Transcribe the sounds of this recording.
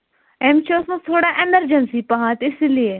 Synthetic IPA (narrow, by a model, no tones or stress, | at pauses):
emt͡ʃʰiʊsmẽt̪ʰoːɽaʔeməɾd͡ʒənsipɐɦãːt̪ɪsilie